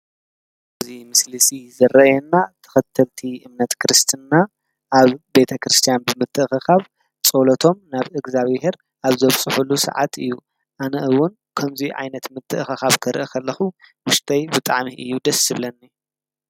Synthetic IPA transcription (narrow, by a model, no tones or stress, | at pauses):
ɨzimɨslɨsizɐrɐjɛnːat̪ʰɐ̥xɐt̪ʰːɐlt̪ʰiʔɨmnɐt̪kʰɨɾɨst̪ʰɨnːa | ʔaβbe̞t̪ʰɐkɾɨst̪ʰijanbɨmɨt̪ʰːɨʔxɨxaβ | t͡sʼolɐt̪ʰo̞mnaβɨɡzaβhe̞ɾ | ʔaβzɐβt͡sʼɨħulːusɐ̰ʕa̰t̪ɨjːu | ʔanɐʔɨwːʊn | kʰɐmziʕa̰jnɐt̪mɨt̪ʰːɨʔxɨxaβkʰɨɾʔɨkʰɐlːɐxuwʊʃt̪ʰɐjbɨt̪ʼaʕmiʔɨ̰jːud̪ɐsɨβlɐnːi